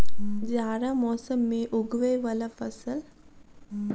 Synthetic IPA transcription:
d͡ʒaːɾamɔːsəmːẽʔʊɡʋeʋɐlafəsəl

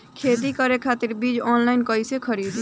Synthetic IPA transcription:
kʰeːt̪̬ikəɾekʰaːt̪ɪɾbiːd͡ʒɔːnlaːɪnkəisekʰəɾiːd̪

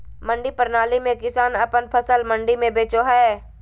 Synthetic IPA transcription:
mə̃ɳɖipəɾnaːlimẽkɪsaːnəpənpʰəsəlmə̃ɳɖimẽbeːt͡ʃoɦɛː

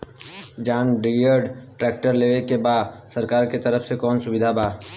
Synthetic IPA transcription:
d͡ʒaːnɖijəɾɖʈɾɛːk̚ʈəɾleːʋekebaːd̪sɐɾkaːɾket̪ɐɾəfsekɔːnsʊʋɪd̪ʱabaː

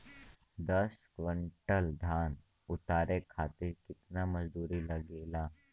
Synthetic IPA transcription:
d̪ɐskʋə̃ɳʈəld̪ʱaːn | ʊt̪aːɾekʰaːt̪ɪɾkɪt̪namɐd͡ʒd̪uːɾilɐɡeːlaː

